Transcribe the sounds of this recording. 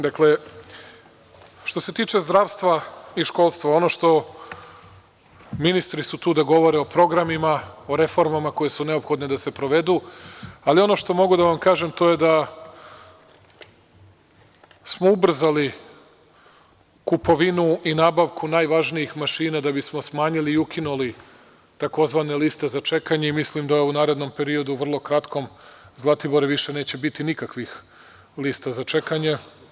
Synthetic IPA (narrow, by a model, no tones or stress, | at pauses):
d̪akle̞ | ʃt̪o̞se̞t̪iːt͡ʃe̞zd̪ɾaːʋst̪ʋaiʃko̞ːlˠst̪ʋao̞no̞ːʃt̪o̞ | minist̪ɾisut̪uːd̪aɡo̞ʋo̞ɾe̞o̞pɾo̞ɡɾamimaoɾe̞fo̞ɾmamako̞je̞sune̞o̞pxo̞d̪ne̞d̪ase̞pɾo̞ʋe̞d̪ualio̞no̞ʃt̪o̞mo̞ɡud̪aʋamkaːʒe̞mt̪o̞je̞d̪a | smoubr̩zali | kupo̞ʋinuinaːbaʋkʰunaːjʋaʒniixmaʃiːnad̪abismo̞smaːɲiliːukʰinuli | t̪ako̞zʋaːne̞liːst̪e̞zat͡ʃe̞kaɲe̞imislimd̪aunaːɾe̞d̪no̞mpe̞ɾio̞d̪uʋr̩lˠo̞kɾat̪ko̞mzlˠat̪iboɾeʋiʃe̞ne̞ːt͡ɕe̞bit̪inikakʋix | liːst̪azat͡ʃe̞kaɲe̞